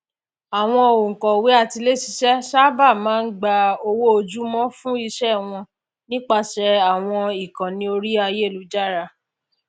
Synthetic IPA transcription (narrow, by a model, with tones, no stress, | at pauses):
a˨w̃ɔ̃˧o˨o˨ŋ̩˨kɔ̃˨we˨˦a˦˨ti˧le˦si˧˦ʃɛ˦ʃa˦ba˦˨mãː˦n̩˦ɡ͡ba˧o˧wo˦o˧d͡ʒu˦mɔ̃˦fũ˦i˧ʃɛ˦˨w̃ɔ̃˧ | nĩ˦k͡pa˧ʃɛ˧a˨w̃ɔ̃˧i˨kã˨nĩ˧˦o˧ɾi˦a˧je˦˨lu˨˦d͡ʒa˦˨ɾa˧